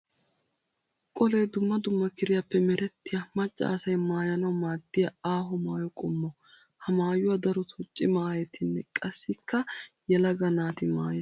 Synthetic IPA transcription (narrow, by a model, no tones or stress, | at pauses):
kʼɔleːd̪ʊmːɐd̪ʊmːɐkɪɾɪjɐpːɛmɛɾɛt̪ːɪjɐmɐt͡ʃʼːɐ̰ːsɐjmaːjɐnɐwmaːd̪ːɪjɐaːɦɔmaːjɔkʼɔmːɔ | hɐmaːjʊwɐd̪ɐɾɔt̪ʰʊt͡ʃʼːɪmaːjɛt̪ʰɪnːɛkʼɐsːɪkːɐjɛlɐɡɐnaːt̪ɪma̰ːjɛ